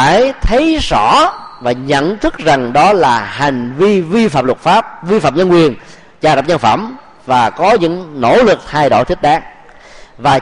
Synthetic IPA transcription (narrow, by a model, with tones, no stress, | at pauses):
aː˧˨jt̪ʰə˨˦jzɔ˧˩vaː˨˩ɲə̰˧˨nt̪ʰɨ˦˥k̚za˨˩ŋɗɔ˨˦laː˨˩ha˨˩jŋ̟vi˧vi˧faː˨˩m̚lʊ˨˩t̚faː˦˥p̚vi˧faː˨˩mɲə˧nkwi˨˩ən | t͡ɕaː˧˩ɾa˨˩p̚ɲə˧nfə̰˧˩m | vaː˨˩kɔ˨˦ɲɨ̰˧˥ŋno̰˧˥lɨ˨˩k̚haː˧jɗo̰˧˩t̪ʰi˦˥k̚ɗaː˨˦ŋ̚ | vaː˨˩